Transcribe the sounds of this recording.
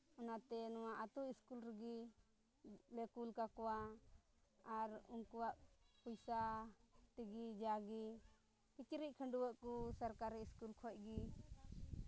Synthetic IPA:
ɔnat̪ɛnɔwaʔat̪uʔiskulɾəɡi | lɛkulkakɔwa | aɾuŋkuwaʔpujsat̪iɡid͡ʒaɡi | pit͡ʃɾic̚kʰəɳɖuwəʔkusaɾkaɾiiskulkʰɔc̚ˀɡi

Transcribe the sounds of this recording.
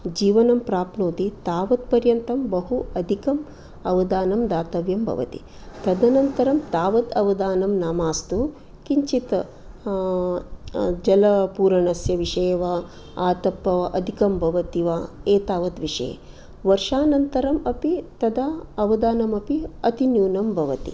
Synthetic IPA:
d͡ʒiːʋɐnɐmpɾaːpnoːt̪it̪aːʋɐt̪̚pɐɾjɐnt̪ɐmbɐɦuɐd̪ʱikɐm | ɐʋɐd̪aːnɐmd̪aːt̪ɐʋjɐmbʱɐ̰ʋɐ̰t̪ḭ | t̪ɐd̪ɐnɐnt̪ɐɾɐmt̪aːʋɐt̪ɐʋɐd̪aːnɐmnaːmaːst̪u | kiɲt͡ʃit̪ɐ | d͡ʒɐlɐpuːɾɐɳɐsjɐʋiʂɐːʋa | aːt̪ɐpːɐʔɐd̪ʱikɐmbʱɐʋɐt̪iʋaːeːt̪aːʋɐt̪ʋiʂɐ̰jḛ | ʋɐɾʂaːnɐnt̪ɐɾɐmɐpit̪ɐd̪ɐɐʋɐd̪aːnɐmɐpiɐt̪injuːnɐmbʱɐʋɐt̪ḭ

